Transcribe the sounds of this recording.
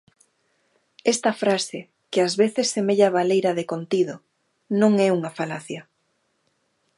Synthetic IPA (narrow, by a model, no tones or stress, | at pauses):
ɛst̪ɐfɾasɪ | kɪazβeθesːemeʎaβalejɾɐðekont̪iðo | nõŋɛuŋafalaθja